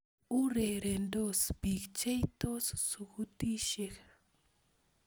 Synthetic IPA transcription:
u˦ɾe˨ɾe˨ndo˦sbi˨kt͡ʃe˦jt̪o˦ssu˨ku˦t̪i˦ʃek

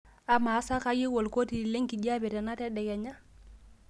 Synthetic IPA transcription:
a˨maː˨˦sa˦ka˦ji˦wo˨lko˦ti˨le˦ŋki˨ɟa˦bɛ˨tɛ˨na˦tɛ˦dɛ˨kɛ˨ɲa˦

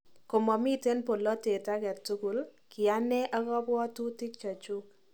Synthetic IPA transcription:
ko˨mɔ˨mi˦te˦npo˨lːɔ˦te˨ta˦kɛ˨tu˦ku˨lkɪ˨a˦nɛ˦ʔa˦kɔ˦pwɔ˦tu˦tɪ˦k̚t͡ʃa˨t͡ʃu˦k̚

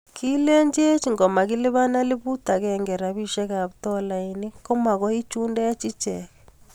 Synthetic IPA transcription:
kʰi˦lɛ˦ɲd͡ʒe˦t͡ʃi˨ŋɡɔ˨ma˨ɣi˦le˦βa˦na˦lɪ˦βu˦ta˨ɣɛŋɡɛ˨ɾa˨βi˦ʃɛ˦ɣa˨βtɔ˦la˨i˨ne˦kɔ˦ma˨ɣɔ˦i˦t͡ʃuː˦nda˦a˦t͡ʃi˦t͡ʃɛɣɛ

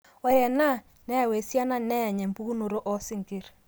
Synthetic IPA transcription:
ɔ˨jɛ˨na˦˨ | nɛ˦ja˨we˨sja˦na˦nɛ˦ja˨ɲɛ˨mpu˦u˦no˨ɾo˦ʔɔ˦sɪ˦ŋke˦˨ɾ

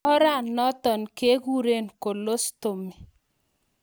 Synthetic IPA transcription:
ɔ˦ɾa˦˨nːɔ˦tɔ˨nke˦ku˦ɾe˦˨nko˨lo˦sto˨mi˨

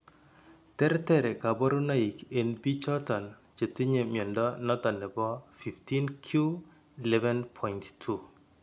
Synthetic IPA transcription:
tɛ˦ɾtɛ˦ɾɛ˨ka˨bɔ˦ɾu˦na˦i˨ke˨nbi˦t͡ʃɔ˦tɔ˨nt͡ʃe˨ti˦ɲe˨mjɔ˨ndɔ˦nɔ˦tɔ˨nɛ˨bɔ˦fi˨fti˦nkʰju˦ | i˨lɛ˦vɛ˦npʰɔ˨inttʰu

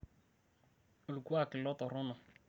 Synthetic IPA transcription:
o˨lu˨ku˦a˦˨kɪ˨lɔ˦t̪ɔ˨ɾɔ˦nɔ˨

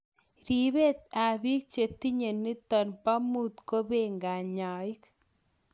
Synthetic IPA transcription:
ɾi˨be˦t̪̚a˨bi˦k̚t͡ʃe˨t̪i˦ɲe˨nːi˦t̪ɔ˨npa˦mu˦˨t̪ko˦be˦ŋɡa˨ɲɔ˨ɪ˦k

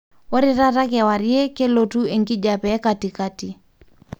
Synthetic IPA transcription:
wo˦ɾi˦ɾa˦ɾa˦kɛ˨wa˨ɾje˦ke˦lo˨tu˦e˨ŋki˦d͡ʒa˨pɛ˨˦ka˨ti˨ka˦ti˨

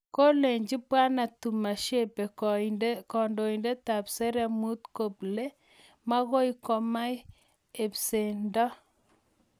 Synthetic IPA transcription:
ko˦le˨ɲd͡ʒi˦pwa˦na˨tu˨ma˨ʃe˦pe˨ | kɔ˨ndo˨i˨nde˦ta˨pse˦ɾɛ˦mu˦tko˨ple˦ | ma˦ɣo˦i˦kɔ˨ma˦j | e˨pse˨ndɔ˦

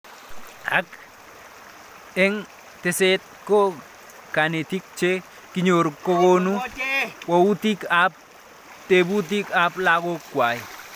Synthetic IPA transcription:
a̰˦k | e˦ŋ | te˨se˦t̪̚ko˦ | ka˨ne˨ti˦k̚t͡ʃe˦ | kiɲo˨ɾkːo˦ko˦nu˦wou˦ti˦ka˨p̚ | te˨bu˦t̬i˦ka˨pla˦ko˦kːwa˨j

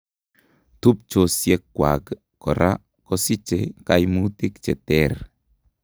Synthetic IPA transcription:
t̪u˦p̚t͡ʃosje˦kːwa̰˨ɡ | kɔ˨ɾʔa̰˦ | kɔ˦si˦t͡ʃe˨kajmu˦t̪i˦kt͡ʃɛ˨t̪ɛr

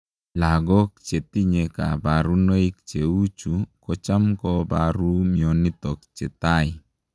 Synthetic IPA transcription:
laɡɔ˦k̚t͡ʃe˨t̪i˦ɲeka̰˨baɾu˦no˦i˦k̚t͡ʃe˨u˦t͡ʃu˨kɔt͡ʃa˦mkɔbaɾu˦miɔni˦t̪ɔk̚t͡ʃɛ˨t̪aj

